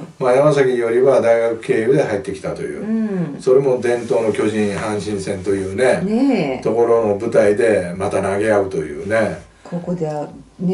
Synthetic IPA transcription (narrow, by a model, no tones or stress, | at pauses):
majamasakʲijo̞ɾʲiβad̪aiɡakɯ̟̥ke̞ːjɯːd̪e̞hait̪ːe̞kʲi̥t̪at̪o̞jɯ̟̰ːso̞ɾe̞mo̞d̪ẽ̞nt̪o̞ːno̞kʲo̞ʑĩɰ̃hãɰ̃ɕĩɰ̃sẽ̞nt̪o̞jɯ̟ːne̞nt̪o̞ko̞ɾo̞no̞bɯ̟t̪aid̪e̞mat̪anaɡe̞aɯ̟t̪o̞jɯ̟̰ːne̞ | kʰokd̪e